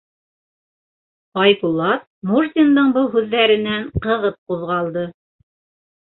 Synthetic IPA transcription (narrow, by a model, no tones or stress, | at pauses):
ɑjpulˠɑt̪̚ | murt̪ʲind̪ɤɴbɤlˠɦʉðːæɾɘ̆næɴqɤ̆ʁɤp̚quðʁɑlˠd̪ɤ